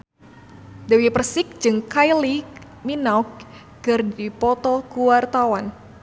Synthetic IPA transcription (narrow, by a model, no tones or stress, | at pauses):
dəwipərsɪk̚d͡ʒɨŋkajli | minauk̚ | kɨrdipɔt̪ɔkuwart̪awan